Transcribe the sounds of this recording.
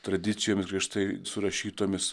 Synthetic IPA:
t̪ɾɐd̪ʲɪt̪sʲɪjoːmʲɪsɡɾʲiɛʃt̪ɐɪsʊɾɐʃʲiːt̪oːmʲɪs

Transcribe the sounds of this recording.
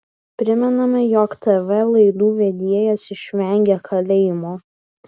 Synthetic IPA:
pʲɾʲɪmʲɛnɐmʲɐjoːkt̪ɛʋʲɛlˠɐɪd̪uːʋʲɛd̪ʲiɛjɛsɪʃʲʋʲɛŋʲɡʲɛkʰɐlʲɛɪmoː

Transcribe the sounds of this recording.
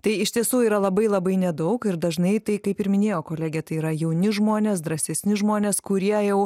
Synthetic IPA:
t̪ɐɪɪʃʲt̪ʲiɛsuːiːɾɐlˠɐbɐɪlˠɐbɐɪnʲɛd̪ɐʊkɪɾd̪ɐʒnɐɪt̪ɐɪkɐɪpɪɾmʲɪnʲeːjoːkoːlʲæːɡʲɛt̪ɐɪiːɾɐjɛʊnʲɪʒmoːnʲeːs̬d̪ɾɐsʲɛsʲnʲɪʒmoːnʲeːskʊɾʲiɛjɛʊ

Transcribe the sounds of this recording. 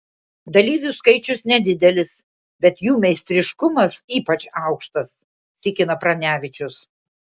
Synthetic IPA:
d̪ɐlʲiːʋʲʊskɐɪt͡ʃʲʊsnʲɛd̪ʲɪd̪ʲɛlʲɪs | bʲɛt̪juːmʲɛɪsʲt̪ʲɾʲɪʃkʊmɐsiːpɐt͡ʃɑˑʊkʃt̪ɐs | t̪ʲɪkʲɪnɐpɾɐnʲæːʋʲɪt͡ʃʲʊs

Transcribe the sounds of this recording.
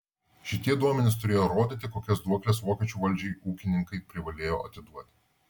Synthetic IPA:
ʃʲɪt̪ʲiɛd̪uɔmʲɛnʲɪst̪ʊɾʲeːjoːɾoːd̪ʲit̪ʲɪkoːkʲɛsd̪uɔkʲlʲɛsʋoːkʲɛt͡ʃʲuːʋɐlʲd͡ʒʲɛɪuːkʲɪnʲɪŋkɐɪpʲɾʲɪʋɐlʲeːjoːɐt̪ʲɪd̪uɔt̪ʲ

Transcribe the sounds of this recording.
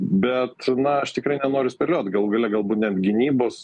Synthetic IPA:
bʲɛt̪nɐɐʃt̪ʲɪkɾɐɪnʲɛnoːɾʲʊsʲpʲɛlʲoːt̪ɡɐlˠuɡɐlʲɛɡɐlˠbuːt̪nʲɛnt̪ɡʲɪnʲiːboːs

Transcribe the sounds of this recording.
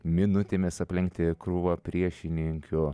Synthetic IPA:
mʲɪnʊt̪ʲeːmʲɪsɐpʲlʲɪŋk̚t̪ʲɪkɾuʋɐpʲɾʲiɛʃʲɪnʲɪŋʲkʲʊ

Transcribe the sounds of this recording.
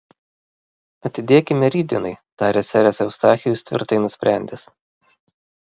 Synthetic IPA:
ɐt̪ʲɪd̪ʲeɛkʲɪmʲɛɾʲiːd̪ʲɪnɐɪt̪ɑːɾʲesʲæɾʲɛsɛʊst̪ɑːxʲɪjʊsʲt̪ʲʋʲɪ̰ɾt̪ɐɪnʊsʲpʲɾʲæˑnʲd̪ʲɪs

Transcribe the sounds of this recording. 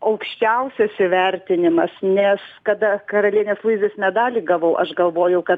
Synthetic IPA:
ɐʊkʃʲt͡ʃʲɛʊsʲɛsɪʋʲɛɾʲt̪ʲɪnʲɪmɐsnʲɛskɐd̪ɐkɐɾɐlʲiɛnʲeːslˠuɪzʲeːsmʲɛd̪ɑːlʲiːɡɐʋɐʊʔɐʃɡɐlˠʋoːjɛʊkɐt̪

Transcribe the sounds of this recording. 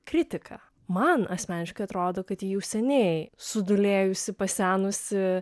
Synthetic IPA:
kɾʲɪt̪ʲɪkʰɐ̰ | mɐnɐsʲmʲæːnʲɪʃkɐɪɐt̪ɾoːd̪oːkɐt̪jijɛʊsʲɛnʲɛɪsʊd̪ʊlʲeːjʊsʲɪpɐsʲæːnʊsʲɪ

